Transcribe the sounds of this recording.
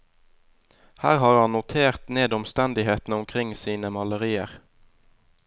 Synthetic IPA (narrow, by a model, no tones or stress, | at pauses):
hæːʁhɑːʁhɑnnʊt̪ʰeːʁt̪neːd̪ɔmst̪ɛnd̪ɪheːt̪n̩ʊmkʰʁɪŋsiːnəmɑləʁiːə̰ʁ